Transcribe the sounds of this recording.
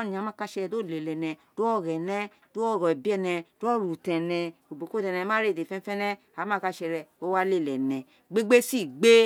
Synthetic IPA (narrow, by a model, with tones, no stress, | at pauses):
ni˨a˨˦mã˦ka˧ʃɛ˧˨do˦˨le˨lɛ˨nɛ˨d̥o˦ɔ˦˨ɾɛ˨nɛ˦ | d̥o˦ɔ˦˨ɾɔ˨bi˦ɛ˧˨nɛ˧d̥o˦ɔ˦˨ɾu˨tɛ̃˨nɛ˨o˨bo˨ko˦dɛ˧˨nɛ̃˧˦mã˦ɾe˦˨e˨fɛ̃˦fɛ˦nɛ˦ | a˨˦mã˦ka˧ʃɛ˧ɾɛ˧o˦wa˦le˦˨lɛ˨nɛ̃˨ | ɡ͡be˦ɡ͡be˦si˦˨ɡ͡be˦